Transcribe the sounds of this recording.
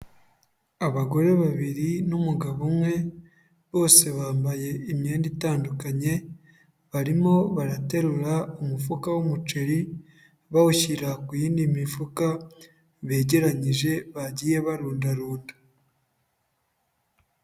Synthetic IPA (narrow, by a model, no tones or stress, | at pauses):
aβaɡo̞ɾe̞βaβiɾinumuɡaβomŋwe̞ | βo̞ːse̞βaːmbaje̞imɲeːnditaːndukaɲe̞ | βaɾimo̞βaɾate̞ɾuɾaumufukawumut͡ʃe̞ɾi | βahuçiɾakujiːndimifuka | βe̞ːɟe̞ɾaɲiʒe̞βaɟije̞βaɾuːndaɾuːnda